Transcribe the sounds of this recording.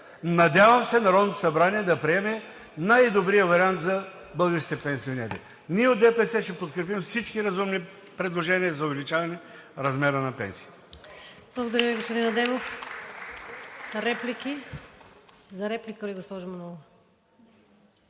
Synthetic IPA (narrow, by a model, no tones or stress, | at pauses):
nɐd̪ʲavɐmsɛnɐɾɔd̪not̪o̥sɐbɾaniɛd̪ɐpɾiɛmɛ | najd̪obɾijəvɐɾiant̪zɐ | bəlˠɡəɾʃit̪ɛpɛnsionɛɾɛ̰ | niɛod̪ɛpɛsɛʃt̪ɛpot̪̚kɾɛp̬imfsit͡ʃkiɾɐzumni | pɾɛd̪lˠoʒɛniəzɐʊvɛlit͡ʃavɐnɛɾɐzmɛɾənɐpɛ̰nsiːɛ | blˠɡod̪ɐɾʲjəviɡospʊd̪inɐd̪ɛmof | ɾɛpliki | zɐɾɛplʲikəiɡospɔʒʊmɐnɔlˠ